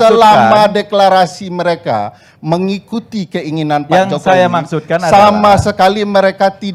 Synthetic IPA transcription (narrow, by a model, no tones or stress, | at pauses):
əlamadeklaɾasiməɾeka̰ | məŋikut̪ikəiŋinanpaaŋd͡ʒɔsajamaksut̪kansamasəkaliməɾekat̪id